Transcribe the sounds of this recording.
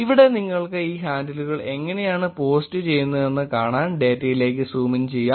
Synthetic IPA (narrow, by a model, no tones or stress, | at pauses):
iʋiɽe̞niŋːɐɭkkɨiːɦaːndɐluɣɐɭe̞ŋːɐne̞jaːɳɨpo̞ːstɨt͡ɕe̞jːunːɐe̞nːɨkaːɳaːnɖe̞ːtːɐjile̞ːk̬ːɨsuːmint͡ɕe̞jːaː